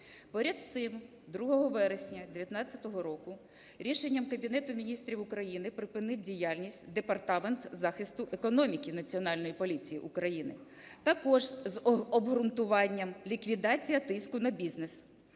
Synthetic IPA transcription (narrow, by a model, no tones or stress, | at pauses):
pɔɾʲɐd̪sɪm | d̪ɾuɦɔɦɔʋɛɾesʲnʲɐd̪eʋjɐt̪nɑt͡sʲːɐt̪ɔɦɔɾɔkʊ | ɾʲiʃe̞nʲːɐmkɐbʲinɛt̪ʊmʲinʲist̪ɾʲiwʊkɾɐjinɪpɾɪpɪnɪwdʲijalʲnʲisʲtʲd̪epɐrt̪ɑment̪zɑxɪst̪ʊʔekɔnɔmʲikʲinɐt͡sʲiɔnɑlʲnɔjipɔlʲit͡sʲijiʔukɾɐjinɪ̰ | t̪ɐkɔʒzɔbɦɾʊnt̪ʊʋɑnʲːɐmlʲikʋʲid̪ɑt͡sʲijɐt̪ɪskʊnɐbʲiznes